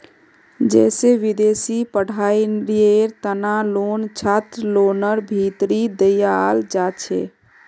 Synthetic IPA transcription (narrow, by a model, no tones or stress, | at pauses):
d͡ʒɛːseʋid̪eːsipəɽ̤ʱainɾieɾt̪ənalont͡ʃʰat̪ɾlonəɾbʱit̪ɾid̪əjald͡ʒat͡ʃʰɛ̰